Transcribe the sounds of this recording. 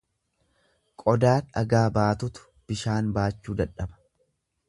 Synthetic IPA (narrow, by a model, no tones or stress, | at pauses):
kʼɔd̪aːɾɐ̰ɡaːbaːt̪ʊt̪ʊ̥ | b̥ɪʃaːnbaːt͡ʃːuːd̪ɐᶑɐbɐ̥